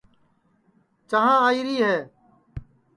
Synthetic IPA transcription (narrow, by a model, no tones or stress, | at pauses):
t͡ʃəɦãːaːiːɾiːɦɛː